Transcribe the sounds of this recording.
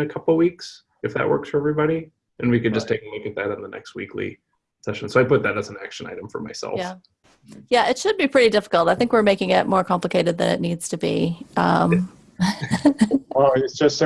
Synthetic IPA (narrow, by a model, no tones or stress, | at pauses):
ɨkʰʌpl̩ˠwiks | ɨfðɨ̰ʔ̚wɜ̰˞ksfə˞ɛvɹibɑɾi | ʔɨ̃nwikɨd̚d͡ʒʌstʰeɪknwikɨt̪̚ðɨɾn̩ðənɛ̰kst̚wḭkʰlḭ | sɛʃɨ̃n̩soʊaɪpʊt̪̚ðɨɾɨzn̩æ̰kʃɨ̃na̰ɪɾ̃ɱfə̰˞ma̰ɪsɛ̰lˠjfæ | jæʔɪtʃɨd̚bipʰɹ̥ɪɾidɪfə̥kl̩ˠtaɪθɪ̃ŋkwɨɹmeɪkɪ̃ŋɪt̚mɔɹkʰɑ̃mpləkʰeɪɾɨd̪̚ðɨ̰̃nɨ̰tⁿnidz̥tʰɨbiʔʌ̃m | oɪtsd̥ʒ̥ʌs